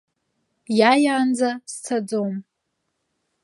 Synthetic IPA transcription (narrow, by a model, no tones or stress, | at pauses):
jajaːnd͡zast͡sʰad͡zom